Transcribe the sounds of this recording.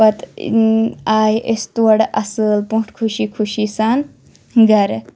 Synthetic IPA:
pɐt̪ | aːjʔest̪wɐɽʔɐsɨlpũʈkʰuʃiːkʰuʃisan | ɡɐɾ

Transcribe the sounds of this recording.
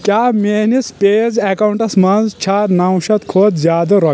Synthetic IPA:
kʲjamenispeːd͡zɛkawuɳʈɐsmɐnzt͡ɕʰaːɾnawɕɐt̪kʰoːt̪zjaːd̪ɐɾɔ

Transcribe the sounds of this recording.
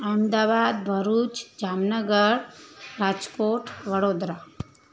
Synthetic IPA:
amd̪aʋad̪bʱəɾut͡ʃd͡ʒamnəɡəɾɾad͡ʒkoʈʋəɽod̪ɾa

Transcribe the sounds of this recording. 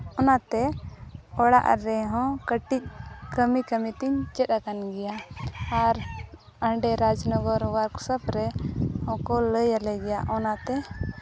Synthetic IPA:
ɔnat̪ɛ | ɔɽa̰ʔɾɛɦɔ̃kəʈic̚kəmikəmit̪iɲt͡ʃɛt̪̚akanɡɛjaː | ɾ | əɳɖɛɾad͡ʒnɔɡɔɾwəɾksəpʰɾɛhɔ̃kɔləjalɛɡɛjaʔɔnat̪ɛ

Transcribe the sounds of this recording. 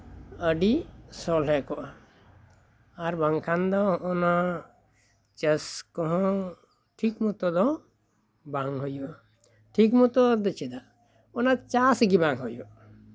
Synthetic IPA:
əɖisɔlɦɛkɔʔa | aɾbaŋkʰand̪ɔːna | t͡ʃəskɔɦɔ̃ | ʈʰikmut̪ɔd̪ɔ | baŋɦɔjɔ | ʈʰikmut̪ɔd̪ət͡ʃʰid̪a | ɔnat͡ʃasɡibaŋɦɔjɔ

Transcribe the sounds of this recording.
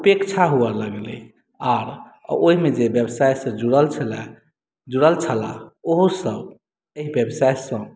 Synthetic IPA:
upekt͡ʃʰaɦuələɡlḛ | aɾ | oɦimed͡ʒebjebsajsə̃d͡ʒuɽəlt͡ʃʰəla | d͡ʒuɽəlt͡ʃʰəla̰oɦusəb | eɦibjebsajsə̃

